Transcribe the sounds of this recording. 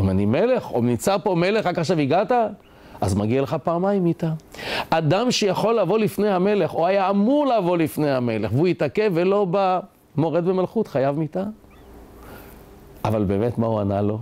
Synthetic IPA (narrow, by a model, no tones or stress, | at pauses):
imanime̞le̞χo̰imnit͡saʁpo̞me̞le̞χʁakaχʃaviɡata | azmaɡialeχapaːmajimitaʔad̪amʃejaχo̞lːavo̞lifne̞jhame̞le̞χoajaːmuʁleavo̞lifnejhame̞leχveuitake̞velo̞ba | mo̞ʁed̪bemalχut̪χajavmita | avalbe̞ːmetmauanalo̞